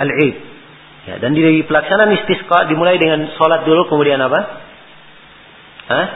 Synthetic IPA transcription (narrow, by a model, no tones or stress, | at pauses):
alʕit̪̚ | ja̰dandidəipəlaksananist̪iskɑʔdimulajdəŋansɔlat̪̚dulukəmudianapa | ə